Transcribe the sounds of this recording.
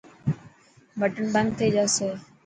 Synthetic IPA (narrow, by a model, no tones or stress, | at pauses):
bəʈəɳbə̃ŋɡ̚t̪ʰeːd͡ʒaːseː